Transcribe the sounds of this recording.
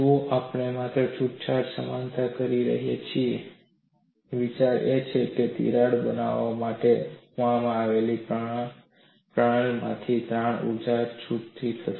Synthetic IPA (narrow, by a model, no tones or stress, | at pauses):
ũapɳemat̪ɾət͡ʃʰuʈ̚t͡ʃʰaɾsəmant̪akəɾiɾə̰ɦjḛt͡ʃʰie | ʋit͡ʃaɾet͡ʃʰeket̪ḭɾaɽbəna̰ʋamaʈemamãːʋelipɾə | pɾaɽmã̰t̪ʰid̪ɾaɳ̃ṵd͡ʒaɾt͡ʃʰuʈt̪ʰit̪ʰəʃ